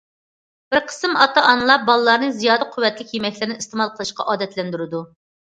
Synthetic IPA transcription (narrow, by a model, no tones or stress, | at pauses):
b̥ɪɾqʰə̥sɨmɑt̪ɑʔɑnɨlˠɑp̚bɑlˠɨlˠɑɾnɨzijɑːd̪əqʰʊwːɛt̪lɪkʲjemɛkʲlɪɾɪnɪist̪emɑlˠqʰəlˠɨʃqɑ̰ʔɑːd̪ɛt̪lɛnd̪yɾɪd̪u